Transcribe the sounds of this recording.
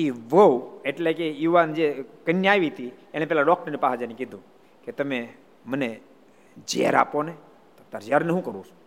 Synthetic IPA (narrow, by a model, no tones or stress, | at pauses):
kiʋəweʈlekejuʋand͡ʒekənjaʋit̪ieɽ̃ẽpɛlaɖɔk̚ʈəɾnipaɦad͡ʒanikid̪ʱũ | ket̪əme | məne | d͡ʒḛɾa̰pone | t̪ot̪aɾd͡ʒaɾneɦũkəɾũt͡ʃʰ